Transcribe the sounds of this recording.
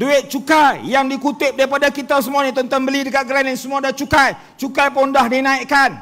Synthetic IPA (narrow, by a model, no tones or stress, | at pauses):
duɪt̪̚t͡ʃukajjaŋdikut̪ɪp̚daɾipadakit̪asəmuanat̪ɔnt̪ɔnbəlidikaɡəɾanansəmuadat͡ʃukaj | t͡ʃukajpɔndahdinaiʔkan